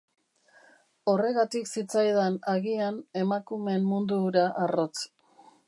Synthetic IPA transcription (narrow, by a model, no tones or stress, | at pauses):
o̞re̞ɣat̪iksit͡sajð̞anaɣiane̞makume̞mːund̪uɾaʔaro̞t͡s